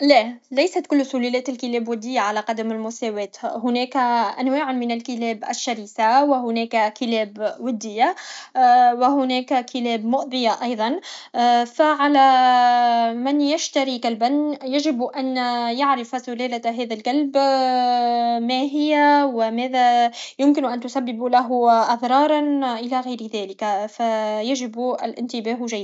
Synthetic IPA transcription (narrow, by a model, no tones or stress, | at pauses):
lælæjsat̪kʊlːsʊlælɛːt̪ɪlkɪlɛːbwɪd̪ːɪjːaʕalæqɑd̪amɪlmʊsæːwɛːt̪hʊnɛːkʔænwaːʕmɪnalkɪlɛːbʔæ̰ʃːaɾiːθawɪɦʊnɛːkkɪlɛːbwɪd̪ːɪjːa | wɪɦʊnɛːkkʰɪlɛːbmʊʔðˤɪjaʔɑjðˤɑn | faʕalæ | mɪnjaʃt̪aɾikalbanjaʒɪbʔanjaʕɾɪfzʊlæːlaɦɛːðalkalb | mæɦɪjːawɪmæːðæjʊmkɪnʔant̪ʊsabːɪblaɦʊʔɑðɾˤɑːɾˤɑnʔɪlæɣajɾðæːlɪkfajaʒɪbʔɪ̰lʔɪ̰nt̪ɪbæːɦʒajːd̪